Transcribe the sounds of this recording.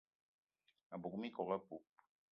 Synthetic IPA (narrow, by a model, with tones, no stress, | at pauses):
a˨bu˨kmi˦kɔ˨ɣa˦pu˨p̚